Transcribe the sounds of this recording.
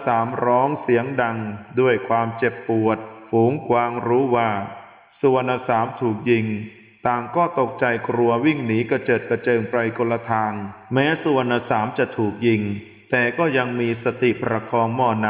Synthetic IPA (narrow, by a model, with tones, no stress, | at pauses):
saː˩˦mɾɔː˦˥ŋsi˨˩˦əŋda˧ŋdu˥˩əjkʰwaː˧mt͡ɕe˨˩pːu˨˩ət̪̚fuː˩˦ŋkwaː˧ŋɾuː˦˥waː˥˩ | su˧˩ənʔa˧˩saː˩˦mt̪ʰuː˨˩k̚ji˧ŋ | t̪aː˨˩ŋkɔː˥˩t̪o˨˩k̚t͡ɕa˧jkɾu˧ɐwi˥˩ŋniː˩˦˥ka˧˩t͡ɕɤː˨˩t̪̚ka˧t͡ɕɤː˧ŋpɾa˧jko˧lːa˧t̪ʰaː˧ŋmɛː˦˥su˨˩ənʔa˧˩saː˩˦mt͡ɕa˨˩t̪ʰuː˨˩k̚ji˧ŋ | t̪ɛː˨˩kɔː˥˩ja˧ŋmiː˧sa˧t̪i˨˩pʰɾa˧kʰɔː˧ŋmɔː˧˩na˦˥